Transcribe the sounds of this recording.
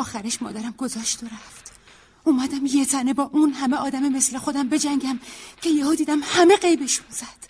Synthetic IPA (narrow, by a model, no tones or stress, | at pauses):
ɒːxæɾeʃmɒ̰ːd̪æɾæmɡozɒːʃt̪oɾæft̪ | uːmæd̪æmje̞t̪ʰæne̞bɒːʔunɦæme̞ɒːd̪æmeme̞sle̞xod̪æmbe̞d͡ʒæŋɟæmcʰe̞jehuːd̪iːd̪æmhæme̞ɢe̞jbe̞ʃunz̥æd̪̥